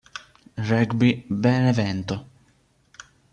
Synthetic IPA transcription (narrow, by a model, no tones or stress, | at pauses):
rɛɡbibɛnɛvɛnt̪ʊ